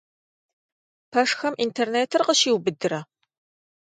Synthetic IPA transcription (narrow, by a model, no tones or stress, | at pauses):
pʰɐʂxɐmʔintʰerneːtʰɨrqəʃiːwbɨdɨɾɐ